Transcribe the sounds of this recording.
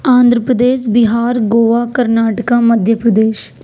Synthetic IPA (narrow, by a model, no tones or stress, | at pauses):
ãːnd̪ʱɾəpɾəd̪eːʃbɪɦaːɾɡoːʋaːkəɾnaːʈəkaːməd̪ʱjəpɾəd̪eːʃ